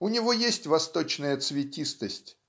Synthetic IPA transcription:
ʊnʲɪvojesʲtʲvɐst̪o̞t͡ɕnəjət̪svʲɪtʲist̪əsʲtʲ

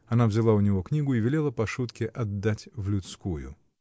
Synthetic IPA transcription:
ɐnavzʲɪlˠaʊnʲɪvo̞knʲiɡʊɪvʲɪlʲe̞lˠəpɐʂut̪kʲɪʔɐd̪ːatʲvlʲʊt̪skujʊ̰

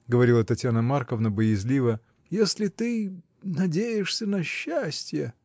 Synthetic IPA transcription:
ɡəvɐɾʲilˠət̪ɐtʲjanəmarkəvnəbəjɪzʲlʲivə | jesʲlʲɪt̪ɨ | nɐdʲejɪʂsʲənɐɕːæsʲtʲjə

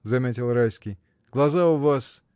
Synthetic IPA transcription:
zamʲɛtʲɛlˠɾajskʲi | ɡlˠazauvas

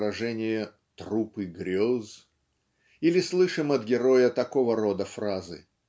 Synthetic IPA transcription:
ɾɐʐɛnʲɪjə | t̪rupɨɡɾʲoz | ilʲɪslˠɨʂɨmɐt̪ɡʲɪɾo̞jət̪ɐko̞vəɾod̪əfrazɨ̰

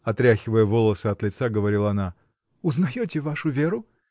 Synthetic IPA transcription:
ɐt̪ɾʲaxʲɪvəjəvolˠəsəɐt̪lʲɪt̪saɡəvɐɾʲilˠɐɐna | ʊznɐjotʲɪvaʂʊvʲeɾʊ

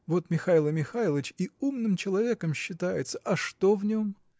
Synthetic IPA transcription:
vo̞t̪mʲɪxailˠəmʲɪxalˠət͡ɕiumnɨmt͡ɕɪlˠɐvʲe̞kəmɕːɪt̪ajɪt̪sə̥ʔɐʂt̪ovnʲo̞m

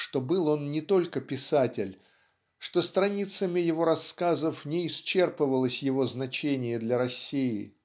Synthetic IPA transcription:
ʂt̪o̞bɨlˠo̞nnʲɪt̪o̞lʲkəpʲɪsatʲɪlʲ | ʂt̪o̞st̪ɾɐnʲit̪səmʲɪjɪvo̞ɾɐskazəfnʲɪɪst͡ɕe̞rpɨvəlˠəsʲjɪvo̞znɐt͡ɕenʲɪjəd̪lʲɐɾɐsʲːijɪ

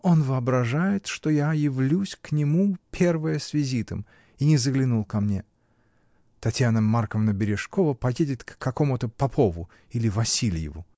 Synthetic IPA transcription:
o̞nvɨɐbɾɐʐajɪt̪ʂt̪ojajɪvlʲusʲknʲɪmupʲe̞rvəjəsvʲɪzʲit̪əm | inʲɪzəɡlʲɪnulˠkɐmnʲe | t̪ɐtʲjanəmːarkəvnəbʲɪɾʲɪʂkovəpɐjedʲɪt̪kːɐko̞mʊt̪əpɐpʰovʊ | ilʲɪvɐsʲilʲjɪ̰vʊ̰

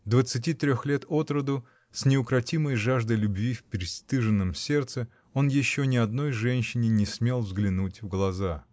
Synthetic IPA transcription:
d̪vət̪sɨt̬ʲit̪ɾʲoxlʲe̞t̪ʰo̞t̪ɾəd̪ʊ | sʲnʲɪʊkɾɐtʲiməjʐaʐd̪əjlʲʊbvʲifʲpʲɾʲɪst̪ɨʐɨnːəmsʲe̞rt̪sɨ | o̞njɪɕːonʲɪɐd̪no̞jʐɛnʲɕːɪnʲɪnʲɪsmʲe̞lˠvzɡlʲɪnutʲvɡlˠɐza

